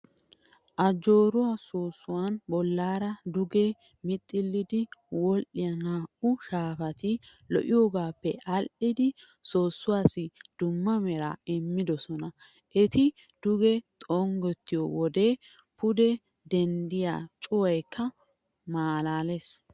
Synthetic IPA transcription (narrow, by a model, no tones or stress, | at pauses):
ʔɐd͡ʒo̞ːɾʊwasoːsːʊwanbɔlːaːɾɐd̪ʊɡe | mɪt̪ʼːɪlːɪd̪ɪwɔlʔɪjɐnaːʔʊʃaːfɐt̪ɪlɔ̰ʔɪjoːɡaːpːɛʔɐlʔɪd̪ɪ | so̞ːsːʊwaːsɪd̪̥ʊmːɐmɛɾa̰ɪmːɪd̪ɔsɔnɐ | ʔɛt̪ɪ | d̪̥ʊɡɛt̪ʼɔŋɡɔt̪ːɪjowɔd̪e̞ː | pʊd̪ɛ | d̪ɛnd̪ɪja̰ːt͡ʃʼʊwɐjkʰːɐ | maːlaːles